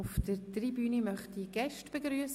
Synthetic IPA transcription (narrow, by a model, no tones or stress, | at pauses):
ʊfdəɾtribyːnimœχtiɡ̥ɛʃtb̥eɡɾyəs